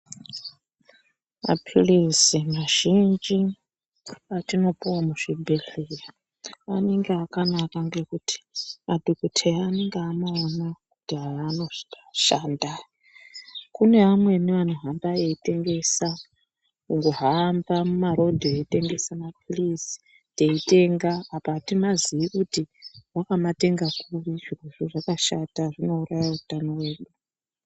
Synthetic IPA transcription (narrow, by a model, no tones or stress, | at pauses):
ma̰pʰirisimaʒ̥ind͡ʒi | atino̞puwamuʐ̥ibʱeɬira | ane̞ŋɡeakanakaŋɡe̞kutʰi̥mʔadʱokutʰeaneŋɡeanoonakutiɦaːno̞ʐi̥kḁʃaːnda | kune̞ʋamwe̞neʋanuɦambaeite̞ŋɡe̞sa | uŋɡoɦaːmbamumaɾo̞dʱoeite̞ŋɡe̞samapʰulisi̥ | te̞ite̞ŋɡaːpatimaziikutiwakamate̞ŋɡakuriʐiruʐuʐakaʃataʐino̞urajautano̞we̞ːɗuu